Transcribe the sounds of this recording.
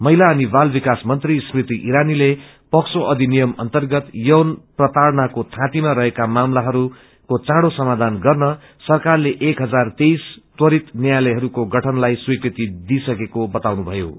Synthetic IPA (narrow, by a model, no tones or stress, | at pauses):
mʌɦilaʌnibalbikasmʌnt̪risprit̪iʔiɾanile | pʌksoʔʌd̪ʱinijʌmʌ̰nt̪ʌrɡʌt̪jʌwnprʌt̪aɾnakot̪ʰãt̪imaɾʌɦekamamlaɦʌɾu | kot͡sãɽosʌmad̪ʱanɡʌrnʌ | sʌrkarleʔekɦʌd͡zart̪ejst̪wʌɾit̪njjlʌjɦʌɾukoɡʌʈʰʌnlajswikrit̪id̪isʌkekobʌt̪awnubʱʌjo̰